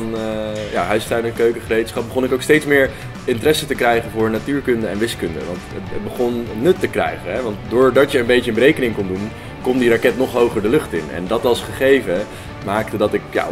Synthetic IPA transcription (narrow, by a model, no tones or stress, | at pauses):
nja̰ɦœɥstœɥnəkøɥkəχərejtə̥sχɑpb̚bəχɔnɪkowkstejtsmɪːɹ | ɪntərɛsətəkrɛjχənvʊːɹnatyːɹkɵndəɛnʋɪskɵndə̰ʋɑ̰ntəət̚bəχɔnːɵtːəkrɛ̰jχənɦɛʋɑntdʊːɹdɑtjəənbejtəənbərejkənɪŋkondun | kɔmdirakɛtnɔχɦowχəɹdəlɵχtɪnɛ̰ndɑtɑlˠsχəχejvə | maːktədɑtɪkja̰